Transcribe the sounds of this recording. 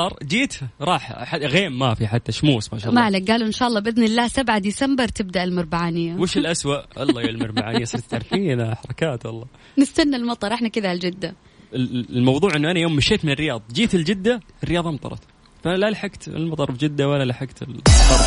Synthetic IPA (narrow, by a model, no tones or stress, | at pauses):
ɑɾˤd͡ʒiːt̪ɾˤɑːħħaɣeːmːafiħat̪ːaʃmuːsmaʃɑːlːmaʕlak̚ɡaːluʔɪnʃaːʔɑlˤːɑːbʔɪðnɪlːaːhsabʕad̪isambɨɾˤt̪ɪb̚d̪aʔɪlmɪɾˤbaʕaːnɪjːawɪʃɪlʔaswaʔɑ̰lˤːɑjlmɑɾˤbaʕaːnɪjːasˤɨɾt̪t̪ʕaɾfiːnaħɑɾˤɑkaːt̪wɑlˤːɑː | nɪst̪anːalmɑt̪ˤɑɾˤʔɪħnakɪðald͡ʒɪd̪ːa | lmɑwðˤuːʕʔɪnːuʔanajoːmːɪʃeːt̪mɪnɪrːɪjɑːðˤɑd͡ʒiːt̪ɪld͡ʒɪd̪ːa | ɪrːɪjɑːðˤɑʔmt̪ˤɑ̰ɾˤɑ̰t̪ | faʔanalalħaɡt̪ɪ̰lmɑt̪ˤɑɾˤfd͡ʒɪd̪ːawalalaħaɡt̪ɪlɑɾˤ